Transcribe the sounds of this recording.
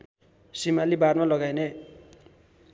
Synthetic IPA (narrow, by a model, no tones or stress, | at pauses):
simalibarmalʌɡajne